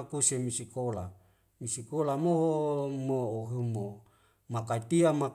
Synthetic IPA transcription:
kusemisikola | misikolamoɦomooɦumo | makait̪iama

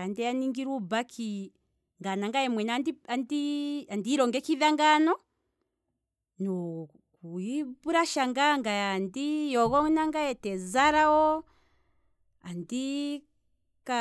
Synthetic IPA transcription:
andɛaniŋɡiɾubakʰi | ŋɡanaŋɡajɛmwɛnadiandiandiɾɔŋɡɛkiðaŋɡanɔ | nu | kuibuɾaʃaŋɡaŋɡaandijɔɣɔnaŋɡajɛtɛzaɾawɔ | andi | ka

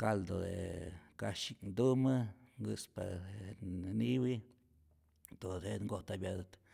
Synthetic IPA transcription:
kald̪od̪ḛkaʃiknd̪umaŋɡɨspa | niwi | d̪̥odeŋɡot̪abjad̪at̪

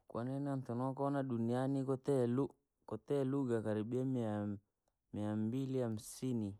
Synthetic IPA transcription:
kwa̰nɛnant̪ɔnɔkɔnaɗunianikɔt̪ɛlu | kɔt̪ɛluɡakaɾiɓiamia | miambiliam̩sini

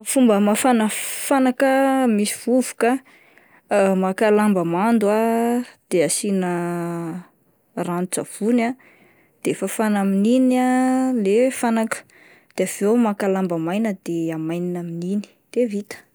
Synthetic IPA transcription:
fumbəmafanəfanakəmisiv̥uvu̥ka | makalambəmand̪uad̪̥easinə | ranut͡sa̰v̥una | d̪̥efafanamininalefanakə̥ | d̪̥eav̥ewmakalambəmajnəd̪̥eamajninaminini̥d̪̥evit̪ə̥

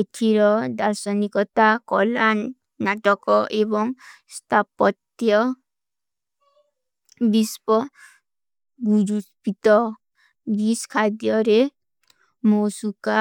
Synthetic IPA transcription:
etʰiɾɔd̪aɾsɔnikɔt̪akɔlanː | aʈɔkɔʔebɔŋ | st̪ʰapɔt̪jɔ | bispɔ | ɡuɾuspit̪ɔ | biskʰad̪jɔɾe | mosuka

